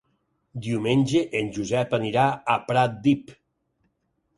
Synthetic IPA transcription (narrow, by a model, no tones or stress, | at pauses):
d̪iumenʲd͡ʒeʔenʲd͡ʒuzɛpaniɾaːpɾat̪̚d̪ip